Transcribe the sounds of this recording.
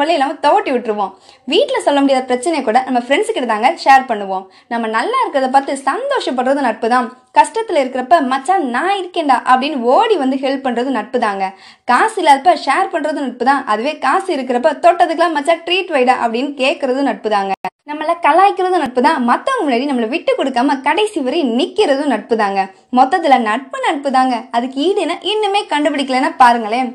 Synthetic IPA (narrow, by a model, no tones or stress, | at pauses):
ʋɐɭːɐɪlaːmɐt̪ɔʋɐʈːiʋɪʈːɪɾɯʋõː | ʋiːʈːɪlɐsɔlːɐmʊɽɪjaːðɐpɪɾɐt͡ʃːɐnɛjkːuːɽɐnɐmːɐfɪɾɛɳɖskːɪʈɐt̪aːŋɡɐʂeːɾpɐɳːɯʋõː | nɐmːɐnɐlːaːɪɾɯkːɪɾɐðɐp̬aːɾt̪ɯsɐnd̪oːʂɐpːɐɳɾɐðɯnɐʈ̚pɯt̪ãː | kɐʂʈɐt̪ːɪlɐɪɾɯkːɪɾɐpːɐmɐt͡ʃːaːnãːɪɾɯkːeːɳɖaːʔɐpːɐɽɪnːoːɽiʋɐnd̪ɯɦɛlp̚pɐɳːɾɐðɯnɐʈ̚pɯðaːŋɡɐ | kaːsɪlaːlpːɐʂaːɾpɐɳːɾɐðɯnɐʈ̚pɯt̪ãːʔɐðɯʋeːkaːsɯɪɾɯk̬ːɪɾɐpːɐt̪ɔʈːɐðɯkːlaːmɐt͡ʃːaːʈɾiːʈʋɐɪɽaːʔɐpːɐɽɪnːɯkeːʈ̚kːɪɾɐðɯ̃nɐʈ̚pɯðaːŋɡɐnɐmːɐlɐkɐlaːjkːɪɾɐðɯnɐʈ̚pɯt̪ãːmɐt̪ːɐ̃ɐmɭeːɽinɐmːɐlɐʋɪʈːɯkːɔɽɯkːaːmɐkɐɽɐɪsiʋɐɾɐnɪkːɪɾɐðɯ̃nɐʈ̚pɯðaːŋɡɐ | mɔt̪ːɐt̪̬ːɪlɐnɐʈ̚pɯnɐʈ̚pɯðaːŋɡɐɐðɯkːɯiːɽɯnːaːʔɪnːɯmeːkɐɳɖɯpɪɽɪkːɐlenːɐpaːɾɯŋɡɐɭeː